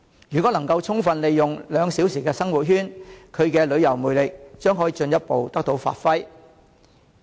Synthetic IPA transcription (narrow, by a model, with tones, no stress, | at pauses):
jyː˨kɔː˨˥nɐ˨˩ŋkɐ˧wt͡sʰʊ˥ŋfɐ˨˧nle˨jːʊ˨ŋlœː˨˧ŋsi˨˥wsiː˨˩kɛː˧sɐ˥ŋwuː˨t̚ɦyː˥nkʰɵ˨˧ɥkɛː˧lɵ˨˧ɥjɐ˨˩wmuː˨jlɪ˨k̚t͡ʃœː˥ŋɦɔː˨˥jiː˨˧˥t͡ʃɵ˧njɐ˥t̚po˨wt̪ɐ˥k̚t̪o˨˥wfa̰ː˨t̚fɐ˥j